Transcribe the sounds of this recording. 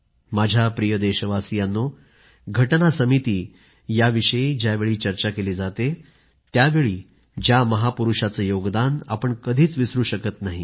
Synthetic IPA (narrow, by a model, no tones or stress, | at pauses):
mad͡ʑʱjapɾijəd̪eɕəʋasijanːo | ɡʱəʈnasəmit̪iː | jaʋiɕəid͡ʑjaʋeɭiːt͡ɕəɾt͡ɕakeliːd͡zat̪e | t̪jaʋeɭiː | d͡ʑjaməɦapuɾuʂat͡səːjoɡd̪anapəɳkəd̪ʱiːt͡sʋisɾuːɕəkət̪naɦḭ